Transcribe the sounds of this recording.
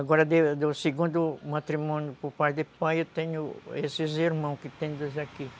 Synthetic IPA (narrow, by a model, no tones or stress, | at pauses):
aɡɔɾɐd̪ed̪ʊseɡũnd̪ʊmat̪ɾimõnjʊpoɾpajd̪ɪpajewt̪ẽɲʊesɪziɾmɐ̃w̃skɪt̪ẽd̪ozaki